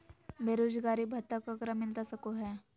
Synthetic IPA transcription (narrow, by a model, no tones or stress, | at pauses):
bʱeːɾoːd͡ʒɡaːɾibʱɐt̪ːəkakɾəmɪlt̪asɐkoɦɛː